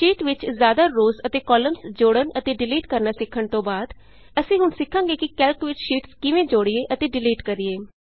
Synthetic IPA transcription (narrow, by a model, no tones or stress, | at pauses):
ʃiːʈʋɪt͡ʃzjaːd̪aːɾoːsət̪eːkɔːləmsd͡ʒoːɽənət̪eːɖɪliːʈkəɾnaːsɪkʰːəɳt̪õːbaːd̪ | əsĩːɦʊnsɪkʰːãːŋɡeːkɪkɛːlkʋɪt͡ʃʃiːʈskɪʋẽːd͡ʒoːɽɪeːʔət̪eːɖɪliːʈkəɾɪeː